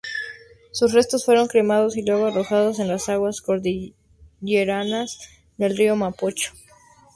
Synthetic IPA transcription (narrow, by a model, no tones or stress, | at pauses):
susre̞st̪o̞sfwe̞ɾo̞ŋkɾemaðo̞silwe̞ɣoaro̞xaðos̬e̞nlasaɣwasko̞ɾði | ʝeɾanaz | ðe̞lrio̞mapot͡ʃo̥